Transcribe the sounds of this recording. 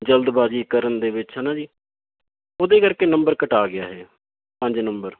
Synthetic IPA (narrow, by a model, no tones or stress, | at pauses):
d͡ʒəld̪baːd͡ʒiːkəɾənd̪eːbɪt͡ʃɦɛːnãːd͡ʒiː | oːd̪eːkəɾkeːnəmbəɾkəʈaːɡɪja̰ːɦɛ̰ː | pə̃ɲd͡ʒnəmbəɾ